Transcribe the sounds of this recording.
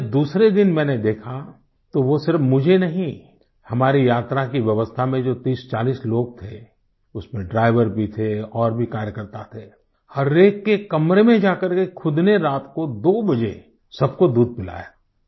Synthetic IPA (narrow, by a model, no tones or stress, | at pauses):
d̪uːsɾed̪ɪnmɛ̃ːned̪eːkʰa | t̪oʋosɪɾəfmʊd͡ʒʱenɐɦĩ | hɐmaːɾijaːt̪ɾakiʋjɐʋəst̪ʰamẽd͡ʒoːt̪iːst͡ʃaːliːsloːɡ̚t̪ʰe | ʊsmẽɖɾaːɪʋəɾbʱit̪ʰeɔːɾbʱikaːɾjəkəɾt̪at̪ʰeː | hɐɾeːkːekɐmɾemẽd͡ʒaːkəɾkekʰʊd̪neɾaːt̪kod̪oːbɐd͡ʒḛ | sɐb̚kod̪uːd̪̚pɪla̰ɛː